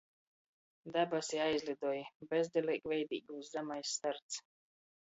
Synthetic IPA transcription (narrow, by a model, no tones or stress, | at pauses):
d̪abasiajzʲlʲˠid̪uːjbɛzd̪ʲɛlʲˠɛjkvɛjd̪ḭːɡuːzzamajsːt̪aɾt̪s